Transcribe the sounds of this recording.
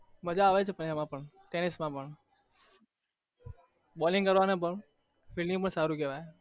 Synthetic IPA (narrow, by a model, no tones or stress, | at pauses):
məd͡ʒaːʋet͡ʃʰepəɳemãpəɳ | t̪enɪsmãpəɳ | bɔlɪ̃ŋɡkəɾʋanep̬əɳ | fɪlnĩp̬əɳsaɾũkeʋae